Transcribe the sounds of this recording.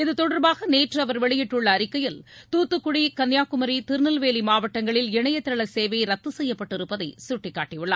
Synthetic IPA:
ɪðɯt̪ɔɽɐɾbaːɣɐneːʈrɯɐʋɐɾʋɛɭɪjɪʈːʊɭːɐːɾɪkːɐjɪlt̪uːt̪ːɯkːʊɽikɐnjaːkʊmɐɾit̪ɪɾnɐlʋeːlimaːʋɐʈːɐŋɡɐɭɪlɪɳɐjɐt̪ːɐɭɐseːʋɐɪɾɐt̪ːɯsɛjːɐpːɐʈːɪɾɯpːɐðɐɪsʊʈːɪkːaːʈːɪjɯɭːa̰ː

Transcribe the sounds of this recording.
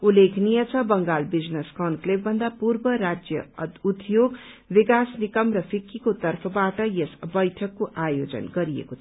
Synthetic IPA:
ulekʰnijʌt͡sʰʌbʌŋɡalbid͡zneskʌnklebːʱʌnd̪apurbʌɾad͡zjʌ̰ut̪joɡbikasnikʌmrʌpʰikʰːikot̪ʌrpʰʌbaʈʌjesbʌjʈʰʌkːoʔajod͡zʌ̰nɡʌɾijḛkot̪ʰ

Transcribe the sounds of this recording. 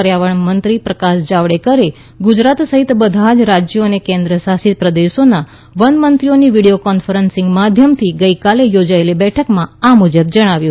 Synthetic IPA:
əɾjaʋəɳmənt̪ɾipɾəkaʃd͡ʒaʋɽekəɾi | ɡud͡ʒɾat̪səɦit̪bəd̪ʱad͡ʒɾad͡ʒjoənekẽnd̪ɾəsasit̪̚pɾəd̪eʃona | ʋənmənt̪ɾioniʋiɽijokɔnfəɾənsɪŋɡmad̪ʱjəmt̪ʰiɡəikalejod͡ʒaelibɛʈʰəkmãamud͡ʒəb̚d͡ʒəɽ̃aʋjũ

